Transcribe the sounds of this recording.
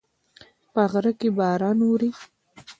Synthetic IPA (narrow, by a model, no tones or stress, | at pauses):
paɣɾəkebɑːɾɑnuɾi